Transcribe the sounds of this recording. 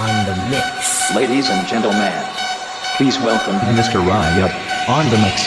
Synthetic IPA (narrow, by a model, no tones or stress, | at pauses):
ə̃nðɨ̃ɪleɪɾizɨ̃nd͡ʒɛ̃ntl̩ˠmæ̃n | pʰizwɛlˠkə̃mmɪstə˞ɹɑ̃jɛpə̃nðəmɨks